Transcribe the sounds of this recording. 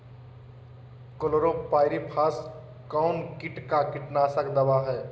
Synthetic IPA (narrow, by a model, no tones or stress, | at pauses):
kolɾopaːɪɾipʰaːs | kɔʊnkɪʈkakɪʈnaːsəkd̪əʋaɦɛː